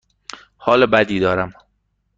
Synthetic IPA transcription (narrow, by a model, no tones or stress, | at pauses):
hɒːlebæd̪iːd̪ɒːɾæm